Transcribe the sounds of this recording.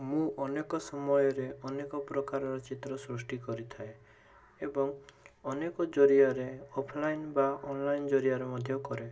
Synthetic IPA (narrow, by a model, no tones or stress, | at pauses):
mũʔɔnekɔsɔmɔjɔɾeɔnekɔpɾɔkaɾɔɾɔt͡ʃit̪ɾɔsɾusʈikɔɾit̪ʰae | ebɔŋɔnekɔd͡ʒɔɾiaɾeɔpʰlajnbaɔnlajnd͡ʒɔɾiaɾemɔd̪ʱjɔkɔɾe